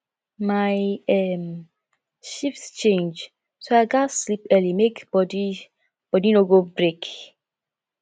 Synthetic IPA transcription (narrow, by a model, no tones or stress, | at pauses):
majɛm | ʃiftt͡ʃẽnd͡ʒ | soaɪɡaslipɛlimekbɔdi | b̥ɔdinoɡobɹek